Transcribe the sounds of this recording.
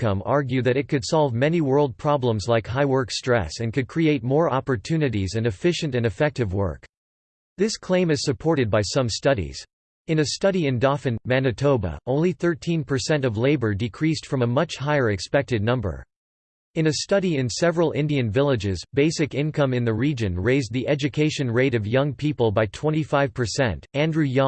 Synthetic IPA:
kʰʌ̃mɑɹɡjʉðɨɾɨt̚kʰɨd̥sɑlˠvmɛniwɜ˞lˠd̚pʰɹ̥ɑblə̃mzlaɪkɦaɪwɜ˞kstɹ̥ɛ̰sɨ̃nkɨd̚kʰɹ̥ieɪt̚mɔɹɑpə˞tʰʉnɨɾizɨ̃nɨfɪʃɨ̃ntɨ̃nɨfɛk̚tɨvwɜ̰˞k | ðɪskʰl̥ẽɪ̃mɨz̥sɨpʰɔɹɾɨd̚baɪsʌ̃mstʌɾḭz̥ | ɨ̃nɨstʌɾiɨ̃ndɑfɨ̃nmænɨtʰoʊbə̰ʔõʊ̃nliθɜ˞tʰĩnpʰə˞sɛ̃ntʌvleɪbə˞dɨkʰɹ̥istfɹʌ̃məmʌt͡ʃhaɪə˞ɨkspɛk̚tɨdⁿnʌ̃mbə̰˞ | ɨ̃nɨstʌɾiɨ̃nsɛvɹl̩ˠɪ̰̃ndiɨ̃nvɪlˠɨd͡ʒɪzbeɪsɨkɪ̃nkʰʌ̃mɨ̃nðɨɹid͡ʒɨ̃nɹeɪzðiʔɛd͡ʒɨkʰeɪʃɨ̃nɹeɪɾʌvjʌ̃ŋpʰipəl̩ˠbaɪtʰw̥ɛ̃ɾ̃tifaɪv̥pʰə˞sɛ̰̃ntæ̃ndɹʉjɑ̃

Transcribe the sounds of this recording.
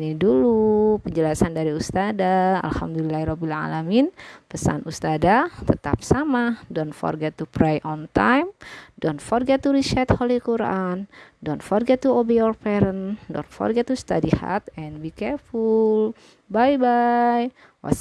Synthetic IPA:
nidulupəɲd͡ʒəlasandaɾiust̪adaa̰lhamd̪ulilaiɾɔbila̰laminpəsa̰nʔust̪adat̪ət̪ap̚samadɔnfɔ̰rɡɛt̪ːupɾajʔɔnt̪ajmdɔnfɔrɡɛt̪ːuɾiʃɛt̪holikuɾandɔnfɔrɡɛt̪ːuobijɔrpɛɾəndɔ̰nfɔ̰rɡɛt̪ːust̪adiha̰t̪ɛnbikɛrful | bajbaj | wa̰

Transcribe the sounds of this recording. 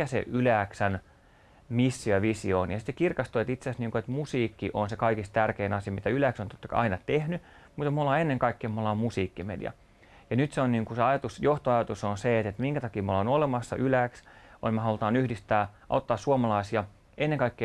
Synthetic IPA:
æsḛʔylæːksæn | misːioʋisioːnjɑsit̪sekirkɑst̪oet̪it̪seæsniːŋkuet̪musiːkːiʔonsekɑikist̪t̪ærkeːnɑsiɑmit̪æylæːksont̪o̥t̪ːɑkɑ̰ɑ̰inɑt̪ehny | mut̪et̪molːɑːenːeŋkɑikːeːmmolɑːmmusiːkːimḛdḭɑ̰ | jɑnyt̪seonniːŋkuseɑjɑt̪usjoht̪oɑjɑt̪usonseet̪et̪miŋkæt̪ɑkiːmuolonolemɑsːɑ̰ʔylæksonmehɑlut̪ɑːnyhdist̪æːʔo̰t̪ːɑːssuomɑlɑisiɑ | enːeŋkɑikːeː

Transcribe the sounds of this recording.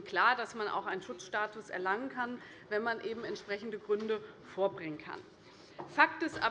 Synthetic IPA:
kʰl̥aːɐdasmana̰ʊxʔaɪnənʃʊt͡sʃtaːtʊsɛ̰ɐlaŋənkʰan | vɛnmanʔeːbm̩ɛntʃpʁ̥ɛçn̩dəɡʁʏndəfoːɐbʁɪŋənkʰa̰n | fak̚tɪsʔa̰ː

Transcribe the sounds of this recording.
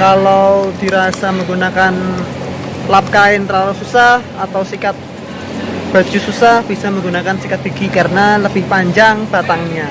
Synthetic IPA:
kalawd̥iɾasaməŋɡunakan | lap̚kaɪnt̪əɾalʊsusahat̪awsikat̪̚ | b̥a̤d͡ʒususahb̥isaməŋɡunakansikat̪̚b̥i̤ɡ̥ikaɾənaləb̥ɪhpaɲd͡ʒaŋb̥at̪aŋɲa

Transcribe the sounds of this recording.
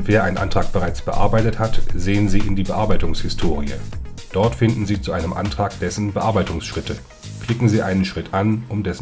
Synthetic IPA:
v̥eːɐʔaɪnʔa̰ntʁ̥aːk̚b̥əʁaɪt͡sb̥əʔa̰ɐbaɪtəthatzeːənziːɪndiːbəʔaɐbaɪtʊŋshɪstʰoːʁ̞iə̰d̥ɔɐtfɪndn̩ziːt͡suʔaɪnəmʔa̰ntʁ̥aːkd̥ɛsn̩bəʔaɐbaɪtʊŋsʃʁ̥ɪtʰə | kʰl̥ɪkŋ̩ziːʔa̰ɪnənʃʁ̥ɪtʔanʔʊmdɛsn̩

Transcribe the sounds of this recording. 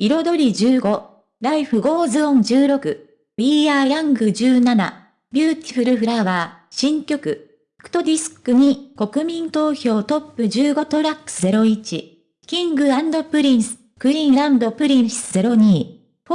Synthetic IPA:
iɾo̞d̪o̞ɾʲid͡ʑɨːɡo̞ | ɾaiɸɯ̟ɡo̞ːzɨõ̞ɲd͡ʑɨːɾo̞kɯ̟ | iaːɾãŋɡɯ̟d͡ʑɨːnana̰ | bʲɯːt̪ʲi̥ɸɯ̟ɾɯ̟ɸɯ̟ɾaβaːɕĩŋkʲo̞kɯ̟ | kɯ̥t̪o̞d̪ʲisɨ̥kɯ̟ɲ̟iko̞kɯ̟mʲĩnt̪o̞ːço̞ːt̪o̞pːɯ̟d͡ʑɨːɡo̞t̪o̞ɾakɯ̥sɨze̞ɾo̞it͡ɕi | kʲĩŋɡɯ̟ãnd̪o̞pɯ̟ɾʲĩɰ̃sɨ̥ | kɯ̟ɾʲĩɰɾãnd̪o̞pɯ̟ɾʲĩɰ̃sɨze̞ɾo̞ɲ̟iː

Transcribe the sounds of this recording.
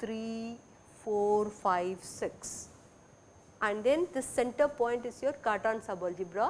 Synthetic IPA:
t̪ʰɾi | foːɾfaɪʋsɪks | æ̃ɳɖd̪ẽnd̪ɪsːɛ̃ɳʈəɾpɔ̃ɪ̃ɳʈɪsjoːɾkaːʈãːnsabəld͡ʒibɾa

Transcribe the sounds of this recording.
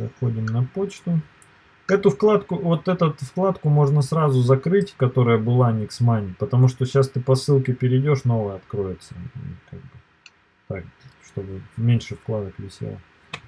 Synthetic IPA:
ɐxo̞dʲɪmnɐpo̞t͡ɕt̪ʊ | ɛt̪ʊfklˠat̪kʊvo̞t̪ɛt̪ʊt̪fklˠat̪kʊmo̞ʐnəsɾazʊzɐkɾɨtʲkɐt̪o̞ɾəjəbɨlˠanʲɪksmanʲɪpət̪ɐmuʂt̪oɕast̪ɨpɐsɨlˠkʲɪpʲɪɾʲɪdʲo̞ʂno̞vɨjəɐt̪kɾo̞jɪt̪sə̰ḭka̰ɡ̚bɨ | t̪ak̚ʂt̪obɨmʲenʲʂɨfklˠad̪əkvʲɪsʲḛlˠ

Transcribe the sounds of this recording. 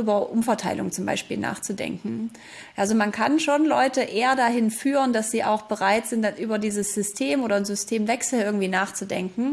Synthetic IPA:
ʔyːbɐʔʊmfɛɐtʰaɪlʊ̰ŋt͡sʊmba̰ɪʃpiːlna̰ːχt͡sudɛ̰ŋkŋ̩ | ʔalzomankʰanʃoːnlɔʏtəʔeːɐdaɦɪnfyːʁənd̥asz̥iːʔa̰ʊxb̥əʁaɪtz̥ɪntanʔyːbɐdiːzəsz̥ʏstʰeːmʔoːɾɐnzʏstʰeːmvɛksl̩ɪɐɡŋ̩tv̥iːnaːχt͡sudɛŋkŋ̩

